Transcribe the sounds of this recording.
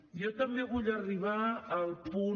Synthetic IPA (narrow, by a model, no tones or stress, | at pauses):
jɔt̪əmbeɣuʎəriβaːlˠpu